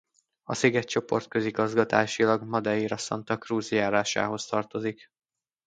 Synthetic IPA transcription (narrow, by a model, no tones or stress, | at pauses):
ɒsiɡɛt̪t͡ʃo̞po̞̰rt̪køziɡɒzɡɒt̪aːʃilɒɡmɒd̪ɛiːɾɒsɒ̰nt̪ɒkruːzjaːɾaːʃa̰ːɦo̞st̪ɒrt̪o̞zik